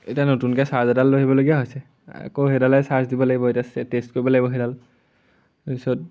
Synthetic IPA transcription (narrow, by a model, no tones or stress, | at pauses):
etianotunkɛsaɹzadalːoɦibɔloɡijaɦojsɛ | a̰koɦedalɛsaɹzdibɔlaɡibɔetiastest̚koɹibɔlaɡibɔɦidal | pisɔt̚